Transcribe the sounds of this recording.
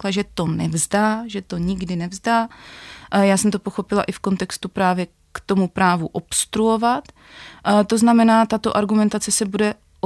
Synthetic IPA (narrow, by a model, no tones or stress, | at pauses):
laʒɛt̪o̞nɛvzdaːʒɛt̪o̞ɲɪɡdɪnɛvzdaː | jaːsɛmt̪o̞po̞xo̞pɪla̰ʔɪfko̞nt̪ɛkst̪upɾaːvjɛ | kt̪o̞mupɾaːvuʔopst̪ɾuo̞vat̪ | t̪o̞znamɛnaːt̪at̪o̞ʔaɾɡumɛnt̪at͡sɛsɛbudɛ | o